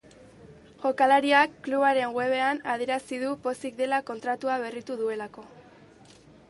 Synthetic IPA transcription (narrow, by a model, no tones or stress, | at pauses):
ʝo̞kalaɾiakːluβaɾe̞ŋɡwe̞βe̞anað̞jeɾasiðupo̞sik̚d̪e̞lako̞nt̪ɾat̪uaβe̞rit̪uðue̞lako̞